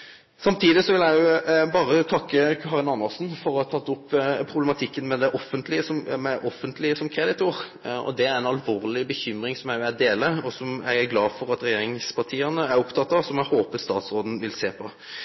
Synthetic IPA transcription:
sɑmt̪ʰiːd̪ɪsɔʋɪlæɪjʊbɑːɾət̪ʰɑkːəɑːʁɪnɑnːɑsn̩fɔɾɔhɑt̪ʰɑt̪ːʊpːpʰɾʊblɛmɑt̪ʰɪkːənmɛd̪ɛʔɔfːənt̪ʰlɪəsɔmmɛʔɔfːənt̪ʰlɪəsɔmkʰɾɛd̪ɪt̪ʊɾʔɔ̰d̪ɛæɾænɑlʋoːʁlɪbəçʏmɾɪŋsɔmæɪʊæd̪eːləɔsɔmæ̰ɪæɡlɑːfɔɾɑt̪ɾɛjeːɾɪŋspʰɑʈ̪ʰiːənəæɾʊpt̪ʰɑt̪ːɑsɔmæɪhoːpəst̪ɑːt̪sɾoːd̪n̩ʋɪlseːpʰɔ

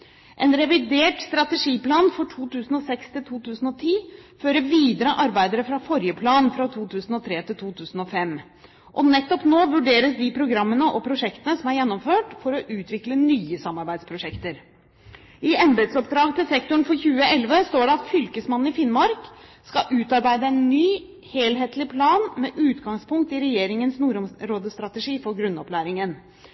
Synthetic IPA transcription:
ʔɛnɾɛʋɪd̪eːʈst̪ɾɑt̪ɛʂiːplɑːnfɔʈʰuːt̪ʉːsn̩ɔsɛkst̪ʰɪlt̪ʰuːt̪ʉːsn̩ɔt̪ʰiːføːɾəʋiːd̪əɾəʔɑɾbæɪd̪əɾəfɾɑfɔɾjəpʰlɑːnfɾɑt̪ʰuːt̪ʰʉːsnɔt̪ʰɾeːt̪ɪlt̪ʰuːt̪ʰʉːsn̩ɔfɛmː | ʔɔnɛt̪ːɔpnoːʋʉɖeːɾəsd̪ɪpʰɾʊɡɾɑmːənəʔɔpʰɾʊʂɛkt̪ənəsɔmæɾjɛnːɔmføːʈfɔɾɔʔʉːt̪ʋɪklənyːəsɑmːɑɾbæɪd̪spʰɾʊʂɛkt̪əɾ | ɪɛnd̪ɾət̪sɔp̚d̪ɾɑːɡt̪ʰɪlsɛk̚t̪ʊɳfɔɾçʉːəɛlʋəst̪oːɖɛɑt̪fʏlkəsmɑn̩ːɪfɪnmɑɾkskɑʔʉːt̪ɑɾbæɪd̪əænnyː | heːlɦeːt̪lɪpʰlɑːnmɛʔʉːt̪ɡɑŋspʰʊŋk̚t̪ɪɾɛjeːɾɪŋənsnuːɾɔmɾoːd̪əst̪ɾɑt̪əʂiːfɔɾɡɾʉnːɔplæːɾɪŋən

